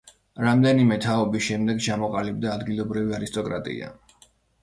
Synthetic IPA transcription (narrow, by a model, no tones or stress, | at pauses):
ɾamd̪ɛnimɛt̪ʰaɔbisʃɛmd̪ɛɡt͡ʃʰamɔqʼalib̚d̪aːd̪ɡilˠɔbɾiviaɾist̪ʼɔkʼɾa̰t̪ʼḭa̰